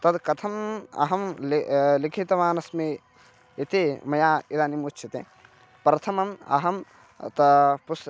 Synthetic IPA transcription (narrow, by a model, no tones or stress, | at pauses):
t̪ɐd̪kɐt̪ʰɐmɐ̰ɦɐmllikʰit̪ɐʋaːnɐsme | it̪emɐjaːid̪aːnimutːt͡ʃʰit̪ḛ | pɾɐt̪ʰɐmɐmɐ̰ɦɐm | t̪ɐpus